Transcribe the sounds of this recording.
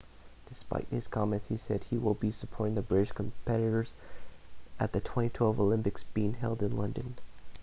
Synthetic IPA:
d̥ɨspa̰ɪt̚hɨz̥kʰɑmɨ̃ntshisɛ̰d̚iwɪlˠbisəpʰɔɹɾɪ̃ŋðɨbɹɪɾɨʃkʰmpʰɛɾɨɾə˞z̥ | ʔɨt̪̚ðɨtʰw̥ɛ̃ñitʰw̥ɛlˠvolɪ̃mpɨksb̥iɪ̃ŋɦɛ̰lˠdɨ̃nlʌ̃ndɨ̃n

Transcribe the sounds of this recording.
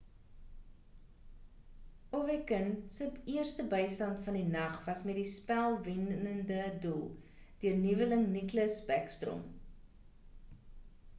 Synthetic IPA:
ovɛkənsəpiərstəbəjstɐntfɐndinɐχvɐsmɛt̚dispælˠvɛnəndədulˠ | d̥iərnivələŋnikləsbɛkstro̰m

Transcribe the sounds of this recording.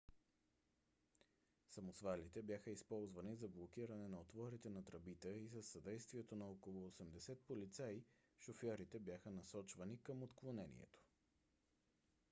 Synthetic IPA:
sɐmosvalit̪ɛbjaxəispɔlˠzvɐnizɐblˠok̟iɾɐnɛnɐot̪vɔɾit̪ɛnɐt̪ɾɐbit̪əisəsːɐd̪ɛjst̪viɛt̪onɐɔkolˠoːsɛmd̪ɛsɛt̪̚polit̪sai | ʃofɔɾit̪ɛbjaxənɐsɔt͡ʃvɐnikəmot̪klˠonɛnḭɛ̰t̪o̥

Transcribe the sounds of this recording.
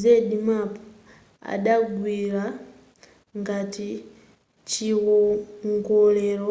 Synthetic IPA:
zedimap | a̰ɗaɡwiɾa | ŋɡati | t͡ʃiɣoŋɡoleɾo

